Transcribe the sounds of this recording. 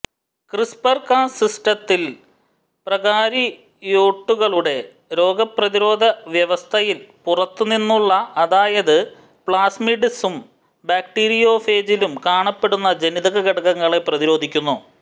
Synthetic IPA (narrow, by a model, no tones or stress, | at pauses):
krispɐrkaːnsisʈɐt̪ːil | prɐɣaːɾi | joːʈːuɣɐɭuɽe̞ | ɾo̞ːɡɐprɐðiɾo̞ːd̪ʱɐʋjɐʋɐst̪ʰɐjilpurɐt̪ːuninːuɭːɐːðaːjɐðɨ | pɭaːsmiɖisum | baːkʈiːɾijo̞ːfe̞ːd͡ʑilumkaːɳɐpːe̞ɽunːɐd͡ʑeniðɐɣɐɣɐɽɐɣɐŋːɐɭe̞prɐðiɾo̞ːd̪ʱikʲːunːu